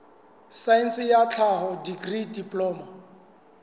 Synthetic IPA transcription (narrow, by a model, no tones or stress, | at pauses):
sainsɪjat͡ɬʰaɦɔdiɡridipʼlɔːma